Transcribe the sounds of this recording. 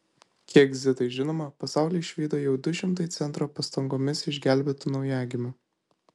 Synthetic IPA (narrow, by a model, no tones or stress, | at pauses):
kʲiɛɡzʲɪt̪ɐɪʒʲɪnoːmɐpɐsɑˑʊlʲeːʃʲʋʲiːd̪oːjɛʊd̪ʊʃʲɪmt̪ɐɪt̪sʲɛnt̪ɾoːpɐst̪ɐŋɡoːmʲɪsɪʒʲɡʲæˑlʲˑbʲɛt̪ʊnɒʊjæːɡʲɪmʲʊ